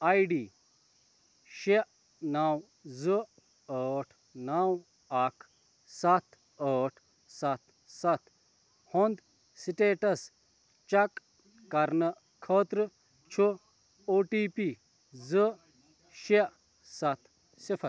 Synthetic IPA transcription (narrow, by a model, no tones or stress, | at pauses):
ajɖi | ʃeʔ | naw | zɨ | əʈʰ | naw | akʰ | sat̪ʰ | əːʈʰ | sɐt̪ʰ | sɐt̪ʰ | hond̪ | siʈeːʈɐs | t͡ʃɐkː | ɐɾnɐ | kʰəːt̪ɾɨ | t͡ʃʰu | oːʈiːpi | zɨ | ʃeʔ | sɐt̪ʰ | sipʰɐɾ